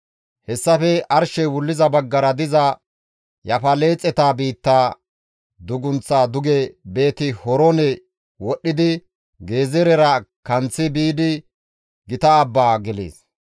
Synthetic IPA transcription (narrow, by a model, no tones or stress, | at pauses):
hɛsːɐfɛɐɾʃɛjwʊlːɪzɐbɐɡːɐɾɐd̪ɪzɐ | jɐfɐle̞ːt͡sʼːɛt̪aːbiːt̪ːaː | d̪ʊɡʊnt͡sːaːd̪ʊɡɛbe̞ːt̪ɪhɔɾɔnɛ | wɔɗːɪd̪ɪ | ɡe̞ːzɛɾɛɾɐkɐnt͡sːɪbiːd̪ɪ | ɡɪt̪ɐːbːaːɡɛlḛːs